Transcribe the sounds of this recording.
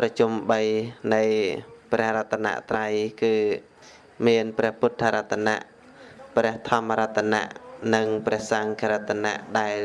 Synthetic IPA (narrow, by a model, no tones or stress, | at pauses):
prɑt͡ɕumɓəjnɨjprɛ̆əhrɔt̪ʰːana̰ʔt̪rajkɨː | miənprɛ̆əhpʊt̪ʰːaːɾat̪ʰːana̰ʔ | prɛ̆əht̪ʰɑmːaɾɔt̪ʰːana̰ʔnɨŋprɛ̆əhsaŋkʰaɾat̪ʰːana̰ʔɗaɛl